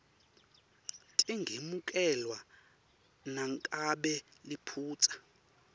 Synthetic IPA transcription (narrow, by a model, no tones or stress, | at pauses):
tʼiŋɡʱemukʼɛlwa | naŋkʼaɓɛlipʰuːt͡sʼḁ